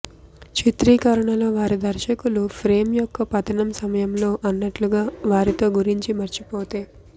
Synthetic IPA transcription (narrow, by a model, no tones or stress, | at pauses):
t͡ʃit̪ɾiːkɐɾɐɳɐlo̞ːʋaːɾid̪ɐɾʃɐkulupʰɾe̞ːmjɔkːɐpɐt̪ɐnɐmsɐmɐjɐmlo̞ːʔɐnːɐʈluɡaːʋaːɾit̪o̞ːɡuɾiɲt͡ʃimɐɾt͡ʃipoːt̪eː